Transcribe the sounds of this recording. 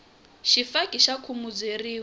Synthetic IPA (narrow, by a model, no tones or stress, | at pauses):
ʃifakʼiʃakʰumud͡zeriː